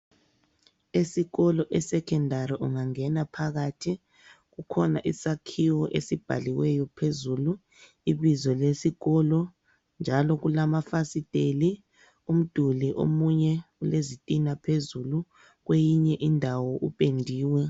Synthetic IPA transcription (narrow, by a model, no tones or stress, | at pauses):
esiɣɔlɔʔɛsɛkʰɛndʱaɾiʔuŋaŋɛnapʰaɣatʰi | ɣukʰɔna̰ʔisakʰiwɔʔḛsib̥ʱa̰liwɛjɔpʰezulu | iβizɔlesiɣɔlɔ | nd͡ʒʱalɔɣulamafasitʼeli | um̩d̥ʱuliʔo̰muɲɛulezitʼinapʰezulu | ɣwejiɲɛʔindʱawɔʔupʼendʱiːwɛ